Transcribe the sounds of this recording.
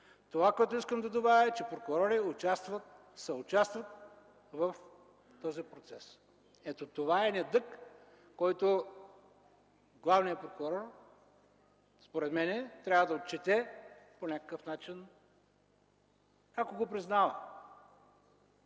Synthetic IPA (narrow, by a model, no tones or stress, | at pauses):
t̪ovakoɛt̪ʊiskəmd̪ɐd̪ovaɾʲɐɛt͡ʃɛpɾokʊɾɔɾiʊt͡ʃast̪vɐt̪ | sɛʊt͡ʃast̪vɐt̪̚ | vɐf | t̪ɔzipɾot̪sɛs | ɛt̪ot̪ovaɛnɛd̪ɤkː | ɔjt̪o | ɡlˠavnijɐpɾokʊɾɔr | spoɾɛt̪mɛnɛt̪ɾʲavəd̪ɐot̪̚t͡ʃɛt̪ɛponʲakə̥kəfnat͡ʃin | akoɡopɾiznavə